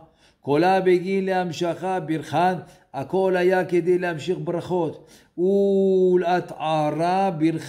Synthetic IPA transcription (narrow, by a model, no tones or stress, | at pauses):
kolabeɡinleamʃaχabiɾχan | ako̞lajaked̪ejlehamʃiχbɾaχo̞t̪ | ulat̪ʕaɾabiɾχ